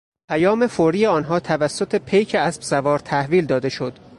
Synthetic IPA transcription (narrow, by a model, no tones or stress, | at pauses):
pʰæjɒːme̞foɾiːjeɒːnɦɒːt̪ʰævæsːot̪ʰepʰejcʰeæsbsævɒːɾt̪ʰæhviːld̪ɒːd̪e̞ʃo̞d̪̥